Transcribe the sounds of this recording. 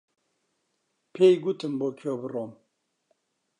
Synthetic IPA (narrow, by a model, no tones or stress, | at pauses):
pʰeːjɡut̪ʰɨmboːkʰijɔːbɨroːm